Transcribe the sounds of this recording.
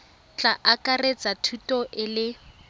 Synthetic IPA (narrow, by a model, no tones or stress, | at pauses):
t͡ɬʼaʔakʼaret͡sʼatʰutʼɔʔɪlɪ